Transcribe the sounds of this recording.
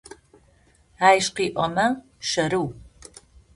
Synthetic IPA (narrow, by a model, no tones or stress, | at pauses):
aːjɕqiːʔʷɔmɐ | ʃɐɾɨw